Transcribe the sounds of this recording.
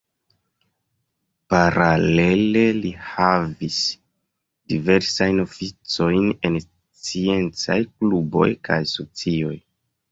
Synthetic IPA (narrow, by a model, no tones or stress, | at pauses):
paɾale̞le̞lihavis | dive̞ɾsajno̞fit͡so̞jne̞n | t͡sie̞nt͡sajklubo̞̰jkʰajso̞t͡sio̞j